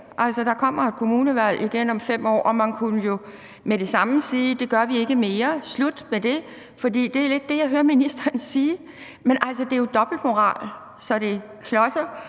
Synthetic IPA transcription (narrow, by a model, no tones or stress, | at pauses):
ʔælsɒd̥ɑ̈kʰɒ̽m̰ɐe̝d̥̚kʰo̝muːnəʋæl̰ʔiɡ̥enɒ̽mfem̰ɒ̰ːʔɒ̽mænkʰunəjo̝ | meɾ̥e̝sɑ̈məsiːd̥e̝ɡ̥ɶɐʋie̝ɡ̥əme̝ːɐslud̥med̥e̝ | fɒ̽d̥ḭːd̥e̝æle̝d̥ːe̝jɑɪɦøːɐminisd̥ɐːnsiː | menʔæl̰sɒd̥e̝jo̝d̥ɒ̽b̥l̩d̥mo̝ʁɑ̰̈ːl | sɒ̽ɾ̥e̝ | kʰlɒ̽sɐ